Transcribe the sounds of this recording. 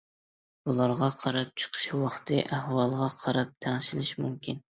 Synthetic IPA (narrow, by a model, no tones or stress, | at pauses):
bulˠɑɾʁɑqʰɑɾɑp̚t͡ʃʰə̥qʰə̥ʃwɑχt̪ʰɨʔæhwɑlˠʁɑqʰɑɾɑp̚t̪ʰæŋʃilɪʃmumkʲin